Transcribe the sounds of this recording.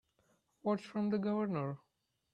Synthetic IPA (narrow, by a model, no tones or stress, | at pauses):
wɔʈt͡ʃfɾɔ̃md̪əɡʌvəɾnəɹ